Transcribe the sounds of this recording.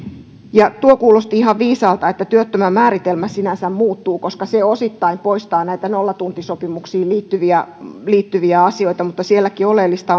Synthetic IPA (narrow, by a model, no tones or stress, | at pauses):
jɑt̪uokuːlost̪iihɑʋʋiːsɑːlt̪ɑet̪ːæt̪yøt̪ːømæmæːɾit̪elmæsinænsæmmuːt̪ːuːkoskɑseosit̪ːɑimpoist̪ɑːnæit̪ænolːɑt̪unt̪isopimuksiːliːt̪ːyʋiæliːt̪ːyʋiæɑsioit̪ɑmut̪ːɑsielːækiolelːist̪ɑ